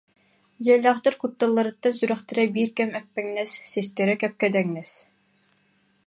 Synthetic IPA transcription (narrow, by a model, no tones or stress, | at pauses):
d͡ʑɛlʲːaːχt̪ɯɾkut̪ːalˠːaɾɯt̪ːansyɾœχt̪ɛɾɛbiːɾkɛmɛpːɛŋnɛsːɛst̪ɛɾɛkɛp̚kɛd̪ɛŋnɛs